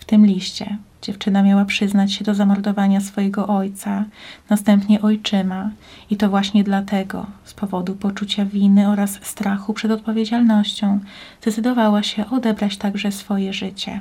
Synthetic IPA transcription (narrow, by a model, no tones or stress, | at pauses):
ft̪ɘmlʲiɕt͡ɕɛ̰ | d͡ʑɛft͡ʂɘnamʲjawapʂɘznat͡ɕɕɛd̪ɔzamɔɾd̪ɔvaɲasfɔjɛɡɔʔɔjt̪sanast̪ɛmpɲɛʔɔjt͡ʂɘmait̪ɔvwaɕɲɛd̪lat̪ɛɡɔ̰spɔvɔd̪upɔt͡ʂut͡ɕavʲinɘɔɾasːt̪ɾaxupʂɛd̪ɔt̪̚pɔvʲjed͡ʑalnɔɕt͡ɕɔ̃w̃zd̪ɛt̪sɘd̪ɔvawaɕɛʔɔd̪ɛbɾat͡ɕt̪aɡʐɛsfɔjɛʐɘt͡ɕɛ̰